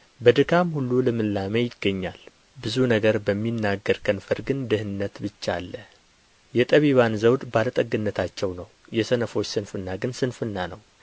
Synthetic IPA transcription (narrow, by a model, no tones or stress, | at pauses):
bəd̪ɨkʰamhulːulɨmɨlːamejɪɡːəɲːal | bɨzunəɡəɾbəmːinːaɡːəɾkʼənfəɾɡɨnd̪ɨhɨnːət̪bɨt͡ʃːalːə | jɛt̪ʼəβiβanzəwd̪balət̪ʼəɡɨnːət̪ʰat͡ʃːɛwnəw | jɛsənəfo̞t͡ʃːsɨnfɨnːaɡɨnsɨnfɨnːanəw